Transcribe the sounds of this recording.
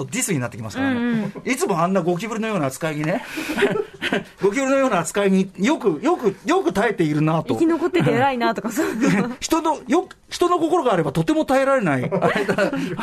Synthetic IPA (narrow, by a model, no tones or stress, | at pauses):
t̪o̞d̪ʲisɨɲ̟inat̪ːekʲimasɨkaɾ̃it͡sɨmo̞ãnːaɡo̞k̬ʲibɯɾɯno̞jo̞ːnaːt͡sɨ̥kaiɲ̟ine̞ | ɡo̞k̬ʲibɯɾɯno̞joːnaːt͡sɨ̥kaiɲ̟ijo̞kɯ̟jo̞kɯ̟jo̞kɯ̟t̪ae̞t̪e̞iɾɯ̟nat̪okʲinokot̪ːeeaɾainat̪okasoçi̥t̪o̞nojok | çi̥t̪o̞no̞ko̞ko̞ɾo̞ɡaːɾe̞bat̪o̞t̪ːe̞mo̞t̪ae̞ɾaɾe̞naiaaid̪a